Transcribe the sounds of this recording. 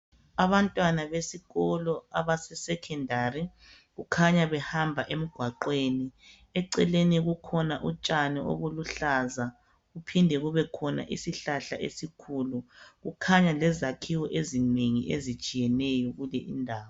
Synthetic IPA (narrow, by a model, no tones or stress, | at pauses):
aβantʼwanaβesiɣɔlɔa̰βasɛsɛkʰɛndʱari | ɣukʰaɲaβɛhambʱaʔem̩ɡ̥ʱwaǃweni | ɛǀɛleniɣukʰɔnaʔut͡ʃʼanɛʔo̰βuluɬaza | ɣupʰindʱɛɣuβɛkʰɔna̰ʔḭsiɬaɬaʔḛsikʰuluɣukʰaɲalɛzakʰiwɔʔezineŋḭʔḛzit͡ʃʼijɛnɛjɔɣulɛʔḭndʱaːwɔ